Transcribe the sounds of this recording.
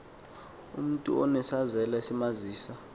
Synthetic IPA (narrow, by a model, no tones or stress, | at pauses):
ṵm̩tʼṵɔnɛsazɛlasimaziːsa